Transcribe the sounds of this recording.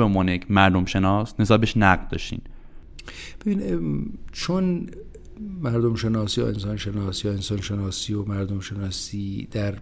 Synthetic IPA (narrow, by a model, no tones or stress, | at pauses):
emɒːnejecʰmæɾd̪omʃe̞nɒːsne̞sɒːbeʃnæʁd̪ɒːʃḭːn | b̥ebinit͡ʃʰon | mæɾd̪omʃe̞nɒːsijɒ̰ḛnsɒːnʃe̞nɒːsijɒensɒːnʃe̞nɒːsiːjomæɾd̪omʃe̞nɒːsiːd̪̥æɾ